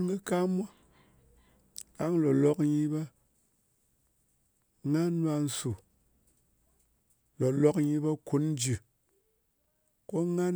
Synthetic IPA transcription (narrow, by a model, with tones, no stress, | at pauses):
ɡɨ˦ka˦ma˦ | a˦ŋlo˨lo˦kɲi˧be˦ | ŋa˦nwa˧n̩˨su˨ | lo˨lo˨kɲi˧be˦ku˨˦n˦d͡ʒi˨ | ko˦ŋa˦n